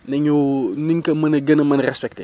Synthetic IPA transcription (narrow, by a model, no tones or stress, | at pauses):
nɐɲuniɲkɐmɐnɐɡɐnɐmɐnrɛspɛk̚te